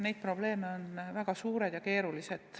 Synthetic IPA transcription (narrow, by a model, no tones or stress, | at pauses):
ne̞jt̪pro̞b̥le̞ːmeo̞nvæɡ̥ɑsuːɾed̪̥jɑke̞ːɾulise̞d̪̥